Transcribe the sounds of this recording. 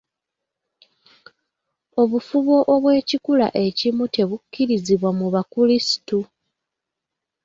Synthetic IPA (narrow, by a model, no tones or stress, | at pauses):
o̞βufuβo̞ʔoβwe̞ːcikula̰ʔe̞cimute̞βukːiɾiziβwamuβakulisi̥tu